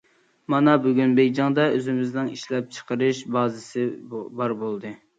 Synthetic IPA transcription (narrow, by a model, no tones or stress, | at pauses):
mɑnɑbyɡʲynbejd͡ʒɑŋd̪ɑøzɪmɪznɪŋiʃlɛp̚t͡ʃʰə̥qəɾɨʃbɑːzɪsɪbɑɾbolˠd̪ɨ